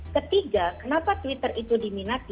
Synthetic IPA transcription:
kət̪iɡakənapat̪wit̪ərit̪udiminat̪i

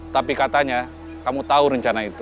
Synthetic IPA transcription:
t̪apikat̪aɲa | kamut̪auɾəɲt͡ʃanait̪u

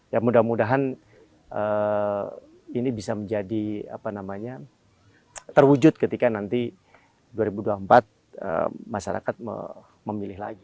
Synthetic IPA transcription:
jamudamudaɦan | ə | inibisaməɲd͡ʒadia̰panamaɲa | t̪ərwud͡ʒʊt̪̚kət̪ikanant̪i | duaɾibuduampat̪̚ | ə̰maʃaɾa̰kat̪̚mə̰ | məmilɪhɦla̰ɡi

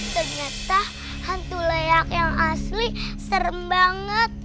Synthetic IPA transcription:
t̪əŋət̪ah | hant̪uleakjaŋaslisərmbaŋət̪̚

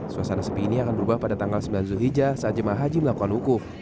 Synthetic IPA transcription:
suasanasəpiːniakandubahpadat̪aŋɡalsəmbilanzuɦid͡ʒasad͡ʒamaɦad͡ʒiməlakuanukʊf

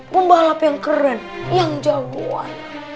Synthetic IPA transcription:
pəmbalapjaŋkəɾɛnjaŋd͡ʒawo̰a̰n

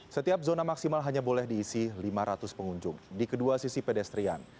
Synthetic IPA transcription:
sət̪iap̚zonamaksimalɦaɲabolɛhdiːsilimaɾat̪ʊspəŋuɲd͡ʒʊŋdikəduasisipedɛst̪ɾia̰n

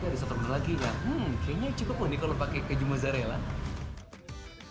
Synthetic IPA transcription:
aɾisɔt̪ɔmalaɡilakaɲat͡ʃukʊpːʊndikalopakekəd͡ʒumazaɾɛla̰

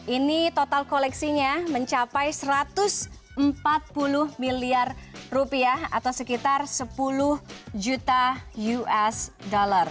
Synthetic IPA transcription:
ʔinit̪ot̪alkolɛksiɲaməɲt͡ʃapajsəɾat̪ʊs | əmpat̪̚pulʊhmiliarrupiaha̰t̪awsəkit̪arsəpulʊhd͡ʒut̪ajuɛsdolar

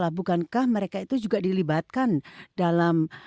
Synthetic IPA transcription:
lahbukankahməɾekait̪ud͡ʒuɡadilibat̪̚kandalam

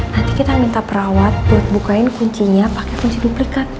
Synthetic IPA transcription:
nant̪ikit̪amint̪apəɾawat̪̚buat̪̚bukaɪnkuɲt͡ʃiɲapakɛkuɲt͡ʃiduplikat̪̚

